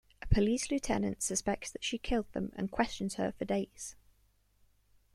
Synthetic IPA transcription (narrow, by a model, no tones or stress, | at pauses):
ʔəpʰəliˑslʉtʰɛ̰nə̰̃ntsəspɛk̚tsðətʃikʰɪlˠd̪̚ðə̰̃mə̰̃nkʰw̥ɛst͡ʃə̃nz̥ə̰fədeɪz̥